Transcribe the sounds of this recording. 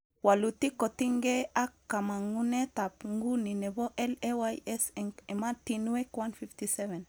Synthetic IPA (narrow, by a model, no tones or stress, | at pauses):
walutikotiŋɡeakːamaŋunetapŋɡunineboʔɛlewajɛsɛŋematinwekwanfiftisɛvɛn